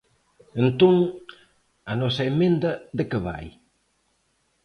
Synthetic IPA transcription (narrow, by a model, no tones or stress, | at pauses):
ent̪oŋ | ɐnɔsɐemẽnd̪ɐðɪkəβa̰j